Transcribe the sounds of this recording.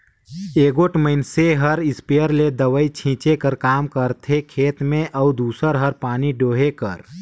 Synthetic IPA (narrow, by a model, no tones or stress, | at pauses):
eːɡoːʈməɪnseɦəɾɪspejəɾled̪əʋəit͡ʃʰĩːt͡ʃekəɾkaːmkəɾt̪ʰekʰeːt̪mẽʔəud̪uːsəɾɦəɾpaːniɖoːɦekə̰ɾ